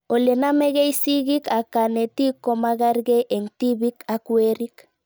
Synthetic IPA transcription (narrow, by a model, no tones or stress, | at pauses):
olenameɣejsiɣikakanet̪ikomaɣaɾɡeʔeŋt̪iβikakueɾik